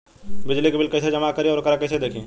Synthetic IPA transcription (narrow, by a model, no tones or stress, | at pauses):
bɪd͡ʒlikebɪlkəɪsed͡ʒəmakəɾiɔːɾkəɾakəɪsed̪eːkʰĩ